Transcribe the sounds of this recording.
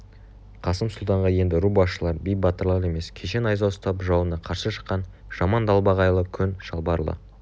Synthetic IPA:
qʰɑsəmsʊlˠt̪ɑɴʁɑje̞nd̪ɪɾubɑsʃəlˠɑɾbijbɑt̪əɾlˠɑɾe̞me̞skʲʰe̞ʃe̞nɑjzɑwst̪ɑpʒɑwənɑqʰɑɾsəʃə̥qːɑn | ʒ̥ɑmɑnd̪ɑlˠbɑʁɑjlˠəkʲʰʏnʃɑlˠbɑɾlˠə̰

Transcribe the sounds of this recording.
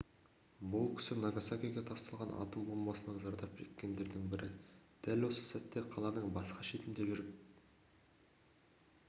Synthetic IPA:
bʊlˠkʲʰɪ̥sɪnɑɡasakʲijɡʲe̞t̪ʰɑst̪ɑlˠʁɑnʔɑ̰t̪əmbolˠmɑsənɑzɑɾd̪ɑp̚ʒʰḛt̪kʲe̞nd̪e̞ɾd̪ɪŋbɪɾʔɪd̪̥ælwo̞sə̥sæt̪ːe̞qʰɑlˠɑnəɴbɑsqɑʃe̞t̪ɪmd̪e̞ʒʏɾɪp

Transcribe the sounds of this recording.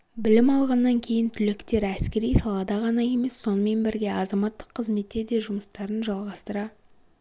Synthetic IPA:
bɪlɪmɑlˠʁɑnːɑŋkʲʰe̞jɪnt̪ʰʏlɪkt̪e̞ɾæskʲe̞ɾijsɑlˠɑd̪ɑʁɑnɑje̞me̞sːo̞nəme̞nbɪɾɡʲe̞ɑzɑmɑt̪ːəqʰːəzme̞t̪ːe̞ɾd̪e̞ʒʊməst̪ɑɾənʒɑlˠʁɑst̪əɾɑ

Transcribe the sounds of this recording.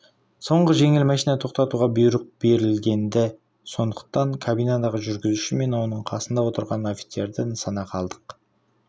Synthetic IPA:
so̞ɴʁəʒe̞ŋɪlmæʃijnɑt̪ʰo̞q̚t̪ɑt̪uʁɑbʊjɾəq̚b̥e̞ɾɪlɡʲe̞nd̪ɪ | so̞nd̪əq̚t̪ɑŋkʰabijnad̪ɑʁəʒʏɾɡʲɪzuʃɪme̞nwo̞nəɴqʰɑsənd̪ɑwo̞t̪əɾʁɑno̞fi̥t̪se̞ɾd̪ɪnsɑnɑqʰɑlˠd̪əq

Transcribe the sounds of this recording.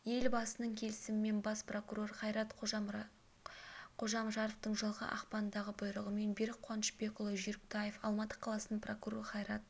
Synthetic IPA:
je̞lbɑsənəɴkʲʰe̞lɪsɪmɪme̞nbɑspro̞kuro̞rχɑjɾɑt̪ʰ | qʰo̞ʒɑmʒɑɾəft̪əɴʒəlˠʁə̰ʔɑ̰qpɑnnd̪ɑʁəbʊjɾəʁəme̞nbeɾɪqʰːwɑnəʃbe̞kʊlˠəʒʏɾɪkt̪ʰɑjefɑlˠmɑt̪ə̥qʰɑlˠɑsənpro̞kuɾo̞rɾχɑjɾɑt̪̚

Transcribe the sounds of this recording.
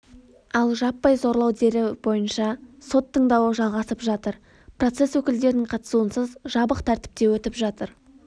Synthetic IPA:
ɑlˠʒɑpːɑjzo̞ɾlˠɑwd̪e̞ɾɪbo̞jənʃɑso̞t̪ʰːəɴd̪ɑwəʒɑlˠʁɑsəpʒɑt̪əɾ | pro̞t̪se̞swɵkʲɪld̪e̞ɾɪnɪŋqʰɑt̪ə̥suənsəzʒɑbəqt̪ʰæɾt̪ɪ̥p̚t̪e̞wɵt̪ɪpʒɑt̪əɾ

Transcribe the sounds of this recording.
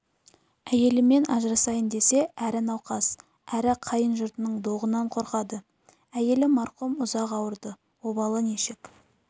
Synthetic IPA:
æje̞lɪme̞nʔɑʒɾɑsɑjənd̪e̞se̞ʔæɾɪnɑwqɑs | æɾɪqʰɑjənʒʊɾt̪ənəɴd̪o̞ʁənɑɴqʰo̞ɾqɑd̪ə | æje̞lɪmɑɾqumʊzɑqɑwəɾd̪ə | wo̞bɑlˠəneʃɪk

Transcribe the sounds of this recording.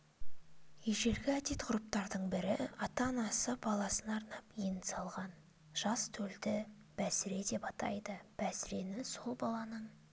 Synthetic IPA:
jeʒe̞ɾɡʲɪæt̪e̞t̪qʰʊɾup̚t̪ɑɾd̪əɴbɪɾɪɑt̪ɑnɑsəbɑlˠɑsənɑɾnɑpijnsɑlˠʁɑn | ʒ̥ɑst̪ʰɵld̪ɪ | b̥æsɪɾe̞d̪e̞pɑt̪ɑ̰jd̪əb̥æsɪɾe̞nɪsolˠbɑlˠɑnəɴ

